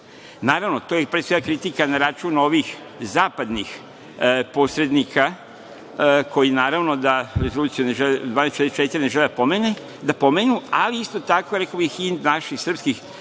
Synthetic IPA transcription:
naːɾaʋnot̪ojepɾese̞ɡakɾit̪ikanaɾat͡ʃuːno̞ʋix | zaːpad̪nix | po̞sɾe̞d̪nikʰa | ko̞jinaːɾaʋno̞d̪aɾezolˠuːt̪sijuneʒeled̪ʋaːnestt͡ʃeɾest͡ʃet̪iɾneʒeled̪apo̞mene | d̪apo̞menualiist̪o̞t̪ako̞ɾekobixind̪naʃixsr̩pskix

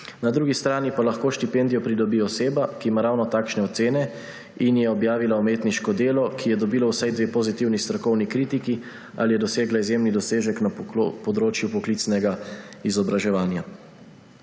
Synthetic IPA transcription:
nad̪ɾuːɡist̪ɾaːnipalaxkoːʃt̪ipɛnd̪ijɔpɾid̪ɔbiɔseːbakiːmaɾawnɔt̪aːkʃnɛɔt̪seːnɛ | injɛɔbjaːʋilaɔmeːt̪niʃkɔd̪eːlɔkʰijɛd̪ɔbiːlawsajd̪ʋeːpɔzit̪iwnist̪ɾɔkɔwnikɾiːt̪iki | a̰lijɛd̪ɔseːɡlaizjeːmnid̪ɔseːʒɛknapɔd̪ɾoːt͡ʃjupɔkliːt̪snɛɡaizɔbɾaʒɛʋaːnja

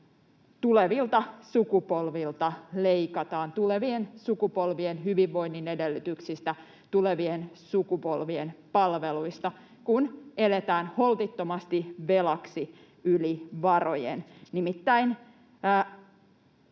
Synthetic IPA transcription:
t̪ule̞ʋilt̪ɑsukupo̞lʋilt̪ɑleikɑt̪ɑːnt̪uleʋiensukupo̞lʋienɦyʋiʋːo̞inːinedelːyt̪yksist̪æ | t̪ule̞ʋiensukupo̞lʋienpɑlʋeluist̪ɑ | kune̞let̪æːnho̞lt̪it̪ːomɑst̪iʋelɑksi | yliʋɑrojḛnnimit̪ːæinː

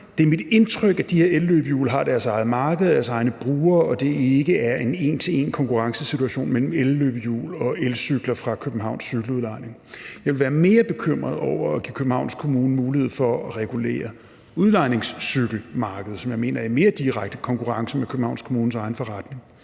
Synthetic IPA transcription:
d̥eæɐmid̥e̝nt͡sʰʁœɡ̥æd̥ihe̝ɐelːøb̥əjṵːlɦɑ̈d̥æɐsɑ̈ɪð̞̩ˠmɑ̈ːɡ̥əð̩ˠɐdæɐsɑ̈ɪnəb̥ʁuːɐɒ̽d̥e̝e̝ɡ̥əæɐe̝ne̝̰ːnt͡sʰe̝e̝̰nkʰɒ̽ŋkuʁɑ̈ŋsəsit͡sʰuæɕo̝̰ːnmel̰m̩elːøːb̥əjṵːlɒ̽elsyɡ̥lɐfʁɑ̈kʰøb̥n̩ɦɑ̈ʊnsːyɡ̥l̩uð̞ˠlɑ̈ɪ̰ne̝ŋjɑaɪʋelʋæːɐme̝ːɐb̥e̝kʰøm̰ʁɐðˠɒʊ̰ɐːɡ̥ikʰøb̥m̩hɑ̈ʊnskʰo̝muːnəmuːlihe̝ð̞̰ˠfɒ̽ɒʁɛɡ̥ule̝̰ːɐ | uðˠlɑ̈ɪne̝ŋsːyɡ̥l̩mɑ̈ːɡ̥əð̞̩ˠsɒ̽mjɑ̈ɪme̝̰ːnɐæme̝ːɐd̥iʁaɡ̥̚d̥əkʰɒ̽ŋkʰuʁɑ̈ŋsəmekʰøb̥m̩ɑ̈ʊ̰nskʰo̝muːn̩sɑ̈ɪn̩fɒʁad̥ne̝ŋ

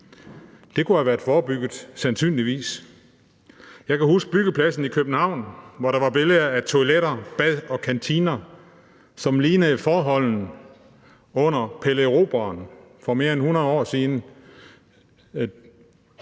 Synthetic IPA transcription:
d̥e̝kʰuhæʋæːɐd̥fɒːb̥yɡ̥ð̩ˠsænsy̰ːnliʋḭːs | jɑ̈ɪkʰæhusɡ̥̚b̥yɡ̥əpʰlæsn̩ikʰøb̥n̩hɑ̈ʊ̰nʋɒɾɑ̈ʋɑ̈b̥e̝ləɐæt͡sʰo̝leɾɐb̥æðˠɒ̽kʰænt͡sʰiːnɐ | sɒ̽mliːnəfɒːɦɒ̽l̰n̩ | ɔ̽n̰ɐpʰeleʁo̝ːb̥ɐːn | fɒ̽me̝ːɐenhunɐðˠɒ̰ːsiːnə

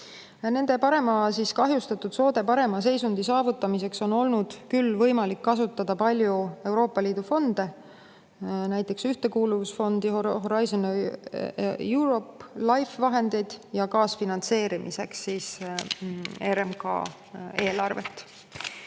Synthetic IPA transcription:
ne̞nd̪̥e̞pɑɾe̞mɑsiskɑɦjust̪ɑt̪ːˑud̪̥so̞ːd̪e̞pɑɾe̞mɑs̬e̞jsund̪̥isɑːvut̪ːˑɑmise̞kso̞no̞lnud̪̥kylːvɤ̞jmɑlikːɑsut̪ːˑɑd̪̥ɑpɑlʲjue̞wɾo̞ːpːˑɑliːd̪̥ufo̞nd̪̥e̞ | næjt̪ːˑe̞ksyht̪e̞kuːluvusfo̞nd̪̥ioɦo̞ɾɑjsone | juɾo̞plɑjfvɑɦe̞nd̪̥e̞jd̪̥jɑkɑːsfinɑnt̪se̞ːɾimise̞ksːiːs | e̞ɾemkɑ̰ː | e̞ːlɑrvḛt̪ːˑ

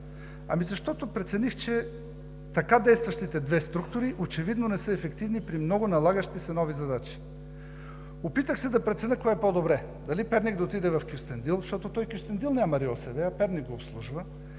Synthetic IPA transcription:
ɐ̰mizɐʃt̪ɔt̪opɾɛt̪sɛnixt͡ʃɛ | t̪ɐkad̪ɛjst̪vɐʃt̪it̪ɛd̪vɛst̪ɾuk̚t̪ʊɾiʔot͡ʃɛvid̪nonɛsɤɛfɛkt̪ivnipɾimnɔɡonɐlˠaɡəʃt̪isɛnɔvizɐd̪at͡ʃi̥ | opit̪əxsɛd̪ɐpɾɛt̪sɛnəkɔɛɛpod̪obɾɛ | d̪ɐlipɛɾnʲik̚d̪ɐot̪id̪ɛvɐfkʲjust̪ɛnd̪ilˠʃt̪ɔt̪ot̪ɔjkʲjust̪ɛnd̪ilˠnʲamɐɾiɔsɛvɛɐpɛɾnik̚ɡoːpslˠuʒvə

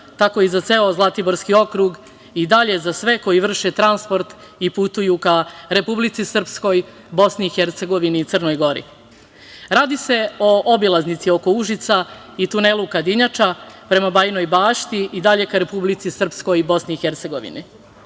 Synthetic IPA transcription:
t̪ako̞izat̪se̞ozlˠat̪iboɾskio̞kɾuɡ | id̪aʎe̞zasʋe̞ko̞jiʋr̩ʃet̪ɾanspo̞ɾt̪ | iput̪ujukaɾe̞publit̪sisr̩psko̞j | bo̞sniːxeɾt̪se̞ɡo̞ʋiniːt̪sərno̞jɡo̞ɾḭ | ɾaːd̪ise̞o̞ʔobilˠaznit̪sio̞kouʒit̪sa | it̪une̞lukad̪iɲat͡ʃapɾe̞mabajno̞jbaːʃt̪iʔid̪aʎe̞kaɾe̞publit̪sisr̩psko̞jbo̞sniixeɾt̪se̞ɡo̞ʋḭni

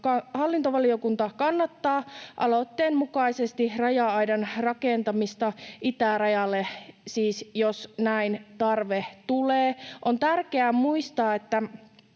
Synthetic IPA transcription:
kɑhɑlːint̪oʋɑliokunt̪ɑkɑnːɑt̪ːɑːʔɑ̰lot̪ːeːnmukɑisest̪irɑjɑɑjdɑnrɑkent̪ɑmist̪ɑʔit̪ærɑjɑlːesiːsjosnæint̪ɑrʋeht̪uleːʔont̪ærkeæmuist̪ɑːet̪ːæ

